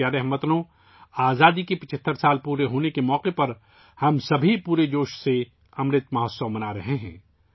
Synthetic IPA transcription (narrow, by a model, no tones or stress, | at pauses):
aɾɛɦmət̪nõ | aːzaːd̪ikepɪt͡ʃʰət̪ʰːəɾsaːlpuːɾeɦoːnekemɔːqepɐɾ | hɐmsɐbʱipuːɾed͡ʒoːʃse | ɐmɾɪt̪mɐɦəssəʋmɐnaɾɐɦeɦɛ̰̃ː